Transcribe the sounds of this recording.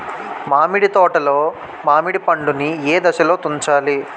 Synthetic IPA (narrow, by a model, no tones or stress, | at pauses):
maːmiɽit̪ɔːʈɐloː | maːmiɽipɐɳɖunieːd̪ɐʃɐlo̞ːt̪uɲt͡ʃaːli